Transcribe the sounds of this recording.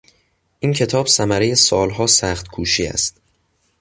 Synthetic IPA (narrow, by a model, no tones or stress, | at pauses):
ʔincʰe̞t̪ʰɒːb̥sæmæɾejesɒːlɦɒːsæːxt̪kʰuːʃiːæ̰st̪